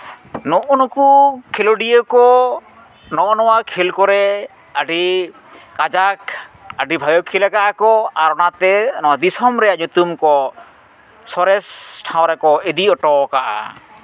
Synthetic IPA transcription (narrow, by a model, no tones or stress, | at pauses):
nɔʔɔnɔkukʰelɔɖijəkɔ | nɔʔɔnɔwakʰelkɔɾɛ | aɖi | kad͡ʒakaɖibʱajɔkʰilakaʔakɔaɾɔnat̪ɛnɔwad̪isɔmɾɛaɲut̪umkɔ | sɔɾɛsʈʰãw̃ɾɛkɔed̪iɔʈɔkaʔa̰